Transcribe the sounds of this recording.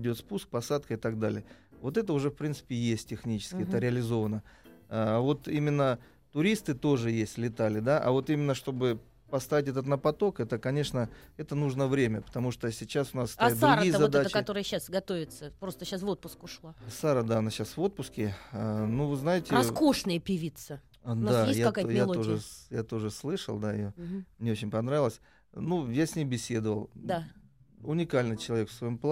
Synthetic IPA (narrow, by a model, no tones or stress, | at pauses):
dʲo̞t̪spusk̚pɐsat̪̚kəɪt̪ɐɡd̪alʲɪjəvo̞t̪ɛt̪əʊʐɛfpɾʲinsɨ̥pʲɪjesʲt̚ʲːɪxnʲit͡ɕɪ̥skʲɪɛt̪əɾʲɪəlʲɪzo̞vənəaːvo̞t̪imʲɪnːə | t̪ʊɾʲist̪ɨt̪o̞ʐɨjesʲtʲlʲɪt̪alʲɪd̪aʔɐ̰vo̞t̪imʲɪnːəʂt̪o̞bɨ | pɐst̪avɪtʲɛt̪̬ət̪nəpɐt̪o̞kɛt̪əkɐnʲe̞ʂnəɛt̪ənuʐnəvɾʲemʲəpə̥t̪ɐmuʂt̪əsʲɪt͡ɕasʊnasd̪ɾaɾʊɾʲijzɐd̪ɛat̪əkɐt̪o̞ɾəjəɕːasɡɐt̪ovʲɪt̪səpɾo̞st̪əɕasvo̞t̪̚pʊskʊʂlˠasaɾəd̪aɐnaɕasvo̞t̪̚pʊskʲɪnuvɨznajɪtʲɪɐskoʂnəjəpʲɪvʲit̪sə | d̪ajesʲjʲaɐkajjalˠoʐɨjat̪o̞ʐɨslˠɨʂə̰lˠd̪aɪ̰jomnʲeo̞t͡ɕɪnʲpɐnɾavɪlˠəsʲ | nujasʲnʲejbʲɪsʲe̞d̪əvəlˠd̪a | ʊnʲɪkalʲnɨt͡ɕɪlˠɐvʲe̞kfsvɐjomplˠ